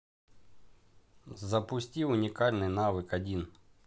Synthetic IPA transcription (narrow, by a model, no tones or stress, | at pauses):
zɐpʊsʲtʲiwʊnʲikɑlʲnɪjnɑʋɪkɐdʲin